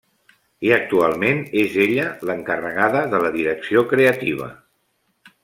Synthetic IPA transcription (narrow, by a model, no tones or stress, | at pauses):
iək̚t̪ualˠmenezeʎələŋkərəɣaðəðələðiɾəksiokɾeət̪iβ̞ə̰